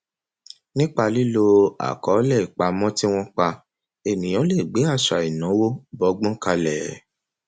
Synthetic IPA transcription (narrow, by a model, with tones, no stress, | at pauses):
nĩ˦k͡pa˧li˦lo˧a̰˨kɔ˨˦lɛ˦˨i˨k͡pa˨˦mɔ̃˦ti˦w̃ɔ̃˦k͡pa˧ | e˨nĩ˨j̃ɔ̃˨˦le˦˨ɡ͡be˨˦a˦˨ʃa˨i˨nã˨˦wo˦bɔ˨˦ɡ͡bɔ̃˦ka˧lɛ˨